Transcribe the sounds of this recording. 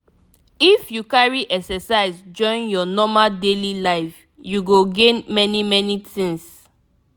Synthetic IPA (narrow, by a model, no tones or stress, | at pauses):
ifjukaɹiʔɛksɛsaɪzd͡ʒɔ̃ɪ̃njɔnɔmadelilaɪf | juɡoɡẽnmɛnimɛnitĩŋs